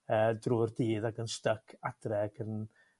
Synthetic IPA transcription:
əːdruːrdiːðaɡənstəkʰad̥rɛɡən

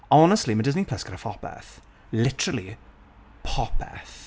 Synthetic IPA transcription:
ɔnəstlimədɪznipʰl̥ɛskəɾəfɔpɛ̰θ | lɪtəɹəlˠi | pʰɔp̚ɛ̰θ

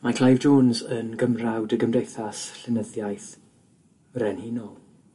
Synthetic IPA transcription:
makʰl̥ˠajvd͡ʒoːnzənɡəmrawdəɡəmdejθasɬɪnəðjajθ | rɛnhinɔlˠ

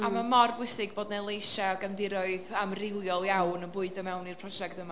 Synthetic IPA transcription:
amamɔrbʊɨsɪɡboːdnalˠejʃaɔɡamdɪɾɔɨðamrɪlˠjɔlˠjawnənbʊɨdəmɛwnirpʰrɔd͡ʒɛk̚təma

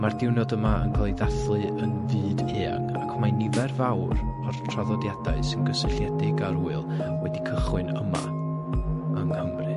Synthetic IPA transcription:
mardɪwnɔdəmaʔə̰nkʰlˠejðaθlˠɨənvɨːdeːaŋa̰kʰmanɪvɛrvawrartʰr̥aðɔdjadaɨsɪnɡəsəɬjɛdɪɡaɾuːɨlˠwɛdikʰəχwɨnə̰ma̰ | əŋhəmrɨ

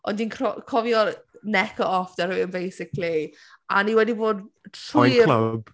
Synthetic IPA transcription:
ɔ̰̃ndinkʰrɔkʰɔvjɔnɛkʰəʔɔfd̥ɛɾɨənbejsɪkli | aniwɛdiboːdtʰɪkləb̥

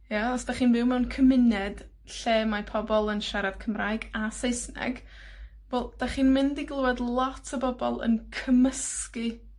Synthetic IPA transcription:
jaɔsd̥aχiːnvɪwmɛwnkʰəmɪnɛd̥ | ɬeːmapʰɔbɔlˠənʃaɾav̥kʰəmraːjɡasejsnɛ̰ɡ | volˠd̥aχiːnmɪndiɡlˠəwɛdlˠɔtʰəbɔbɔlˠə̰nkʰəməski

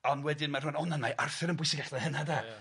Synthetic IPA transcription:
ɔnwɛdɪnmarʊnɔnanmajʔarθɪɾənmbʊjsɪɡaɬlɛhənada

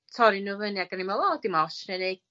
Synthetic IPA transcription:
tʰɔɾinuvəniaɡanimɛlˠɔdimaɔʃnɛnej

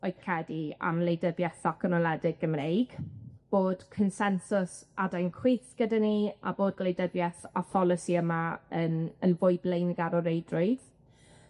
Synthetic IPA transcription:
ɔɨkʰr̥ɛdia̰mlˠejdəbjɛθɔkʰənɔlˠɛdɪɡəmrejɡ̥b̥oːd̥kʰənsɛnsʊsadajnkʰw̥eːθɡ̥ədania̰boːd̚lejdəbjɛθafɔlˠɪsiəmaənənvʊɨblejnɡaɾɔɾejdrʊɨð

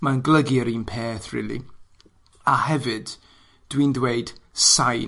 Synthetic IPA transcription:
manɡləɡiəɾiːnpʰeːθrḭːlˠḭ | ahɛvɨd̥ː | wiːndweɨd̥saj

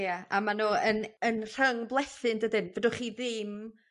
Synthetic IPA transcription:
jaa̰manoːənənr̥əŋblˠɛθɨndədɪnvədʊχiːðɪm

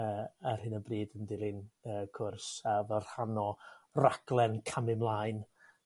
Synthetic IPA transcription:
əːɛrhɨnəbriːdəndiɾɪnəːkʰʊrsavər̥hanɔraɡ̥lˠɛnkʰamɪmlˠaːɨn

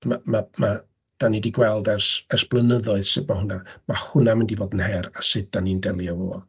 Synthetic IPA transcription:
mamama | d̥anidiɡwɛlˠdɛrsɛrsb̥lˠənəðɔɨð̥sɪbmahʊnamahʊnamɪndivoːdənhɛɾasɨd̚d̥anindɛlˠjavoɔ

